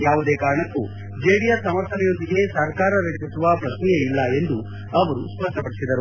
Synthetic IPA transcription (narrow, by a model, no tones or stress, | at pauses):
jaːʋud̪eːkaːɾɐɳɐkːu | d͡ʒeːɽijɐsɐmɐɾt̪ʰɐnɛjo̞nd̪iɡe̞sɐɾkaːɾɐɾeːpit̪ːuʋɐpɾɐʃnɛjeilːɐe̞nd̪u | ɐʋɐɾusʋɐʂɐpɐɽisid̪ɐɾu